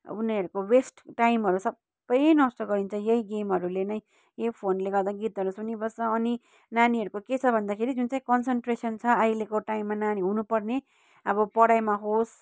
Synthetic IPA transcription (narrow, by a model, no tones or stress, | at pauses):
uneʌɾukowesʈʈaimɦʌɾusʌbːʌjnʌst̪ʌɡʌɾint͡sʰʌjeiɡemɦʌɾulenʌj | jeipʰonleɡʌrd̪aɡit̪ɦʌɾusunibʌsʌːni | naniɦʌɾukoket͡sʰʌbʱʌnd̪akʰeɾid͡zunt͡saĩkʌnsenʈresʌnt͡sʰʌajlekoʈaimːananiɦunupʌrne | ʌbʌpʌɽajmaɦos